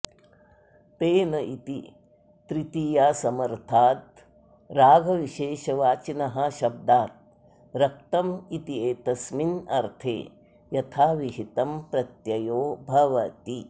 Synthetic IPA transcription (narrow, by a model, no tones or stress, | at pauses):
t̪eːnɐʔit̪i | t̪ɾit̪ijaːsɐmɐɾt̪ʰaːt̪ | ɾaːɡʱɐʋiʃeːʃɐʋaːt͡ʃinɐɦɐ̆ʃɐb̚d̪aːt̪̚ | ɾɐk̚t̪ɐmit̪ieːt̪ɐsminɐɾt̪ʰḛː | jɐt̪ʰaːʋiɦit̪ɐmpɾɐt̪jɐjoːbʱɐʋɐt̪i